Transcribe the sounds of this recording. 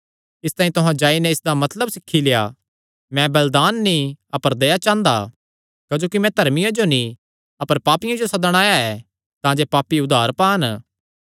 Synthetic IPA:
ɪst̪aːĩt̪ʊɦãd͡ʒaːinɛɪsd̪amɐt̪ləbsɪkʰːileja | mɛ̃bɐld̪aːnːĩɐpəɾd̪ejat͡ʃãːnd̪a̰ | kɐd͡ʒoːkimɛ̃t̪ɐɾmɪjãd͡ʒonĩ | ɐpəɾpaːpɪjãd͡ʒosɐd̪əɽ̃aːjaɛː | t̪ãːd͡ʒepaːpːiʊd̪ʱaːɾpaːn

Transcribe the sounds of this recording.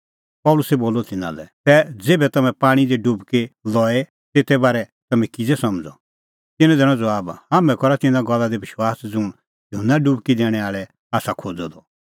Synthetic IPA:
pɔlʊsɛboːlɔt̪ɪna̰lɛ̰t̪ɛd͡zeːbɛt̪ɐmɛ̃paːɽ̃id̪eɖubkelɔːe | t̪eːt̪ɛbaːɾɛt̪ɐmɛ̃kɪd͡zɛsɐmd͡zɔ̰ | t̪ɪnɔ̃d̪ɛːɽ̃ɔ̃d͡zɐaːbhaːmɛ̃kɔɾat̪ɪ̃nãɡɔlːad̪ebɪʃwaːsd͡zʊɽ̃ | jʊɦənːaɖubkid̪ɛːɽ̃ɛaːɭɛ | aːsakʰoːd͡zɔd̪ɔ

